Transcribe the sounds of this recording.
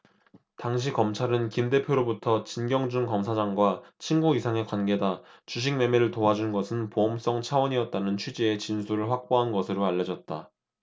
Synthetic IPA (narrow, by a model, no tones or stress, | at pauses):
taŋɕ̬ʰikʌmt͡ɕʰaɾɯnkinde̞pʰjoɾobutʰʌt͡ɕinɡjʌŋd͡ʑuŋkʌmsʰad͡ʑaŋɡwat͡ɕʰinɡuisʰaŋe̞kwanɡe̞dat͡ɕuɕ̬ʰiŋme̞meɾɯɭtoɦad͡ʑunɡʌsʰɯnpoʌms͈ʌŋt͡ɕʰawʌɲiʌt̚t͈anɯnt͡ɕʰɥid͡ʑiet͡ɕinsʰuɾɯɭɸwak̚p͈oɦanɡʌsʰɯɾoaʎːʌd͡ʑʌt̚t͈a̰